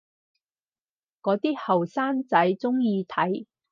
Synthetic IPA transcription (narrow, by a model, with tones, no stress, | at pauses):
kɔː˨˥t̪iː˥hɐ˨˩wsaː˥nt͡sɐ˨˥jt͡sʊ˥ŋjiː˧t̪ʰɐ˨˥j